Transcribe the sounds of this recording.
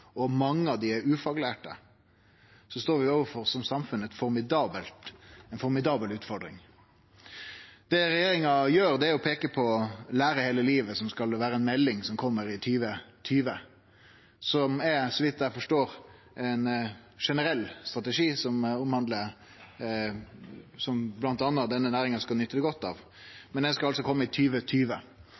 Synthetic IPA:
ɔmɑŋːəɑʋd̪ɪɛɾʉːfɑɡlæːʈə̰ | sɔst̪oːɾʋɪoːʋəfɔɾsɔmsɑmfʉnəɛt̪fɔɾmɪd̪ɑːbəlt̪ɛnfɔɾmɪd̪ɑːbəlʉːt̪fɔɾɖɾɪ̰ŋ | d̪̥ɛɾɛjeːɾɪŋɑjøːɾd̪ɛæɾjʊpʰeːkəpʰɔlæːɾəheːləliːʋəsɔmskɑlʋæːɾəɛnmɛlːɪŋsɔmkʰɔmːəɾɪt̪ʰyːʋət̪ʰyːʋə | sɔmɛɾsɔʋɪt̪̚ːd̪æɪfɔʂʈoːɾ | ʔɛnʂɛnəɾɛlːst̪ɾɑt̪əʂiːsɔmʊmhɑnd̪lə | sɔmblɑnt̪ɑːnːɑd̪ɛnːənæːɾɪŋɑskɑlnʏt̪ːəd̪ɛɡɔt̪ːɑ̰ːʋ | mɛnd̪ɛnskɑlɑlsɔkʰɔmːəɪt̪ʰyːʋət̪ʰyːʋə

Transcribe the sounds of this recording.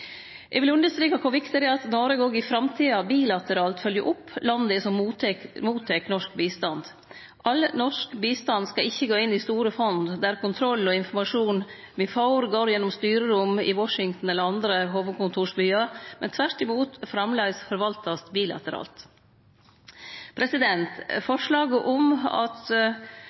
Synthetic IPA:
ʔɛ̰ʋɪlʉnd̪əʂt̪ɾiːkɑkʰɔʋɪkt̪əɾɪɑt̪nɔːɾəɡoːɡɪfɾɑmt̪ʰiːɑbiːlɑt̪əɾɑːlt̪fœljəʔʊpːlɑnd̪əɛsɔmːut̪muːt̪ʰɛknɔʂk̚biːst̪ɑnd̪ | ʔɑlnɔʂkbiːst̪ɑnd̪skɑɪçːəɡoːɪnːist̪uːɾəfɔnd̪d̪æɾkʰʊnt̪ʰɾɔlːɔɪnfɔmɑʂuːn | mɛfɑʊɾɡoːɾjɛnːɔmst̪yːɾəɾʊmɪ̰wɔʂɪŋt̪n̩ɛlːəɾɑnd̪ɾəɦoːʋəd̪̚kʊnt̪ʰuːʂbyːɑɾmɛnt̪ʰʋæɾʈ̪ɪmuːt̪fɾɑmleːɡsfɔɾʋɑlt̪ɑst̪biːlɑ̰t̪əɾɑ̰ːlt̪ | pʰɾɛsɪd̪ɛnt̪fɔʂɭɑːɡəʔɔmɑ̰t̪

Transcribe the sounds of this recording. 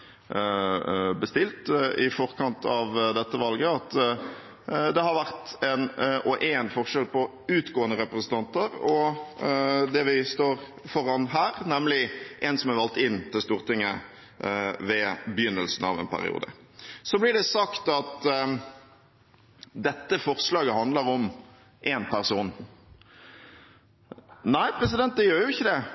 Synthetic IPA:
bəst̪ɪlt̪ɪfɔʁkʰɑnt̪ʰɑʋd̪ɛt̪ːəʋɑlɡəɑt̪ | d̪ɛɦɑɾʋæɾt̪ɛnɔʔɛnfɔʁʂɛlpɔ | ʉːt̪ɡoːənəɾɛpɾəsən̩t̪ʰɑnt̪əɾɔ | d̪ɛʋɪst̪oːɾ | fɔɾɑnɦæːɾnɛmlɪʔɛnsɔmæʋɑlt̪ɪnːt̪ʰɪlst̪uːɾt̪ɪŋːə | ʋɛbjʏnːəlsn̩ɑ̰ʋɛ̰npʰæ̰ɾɪ̰ṵːd̪ə̰ | sɔblɪɖɛsɑkt̪ɑt̪ | d̪ɛt̪ːəfɔʁslɑːɡəɦɑnd̪ləɾɔm | ʔeːnpʰæʁsuːn | næɪpɾɛs̬ɪd̪ɛnt̪̚d̪ɛjøːɾjʊɪçːəd̪ɛ

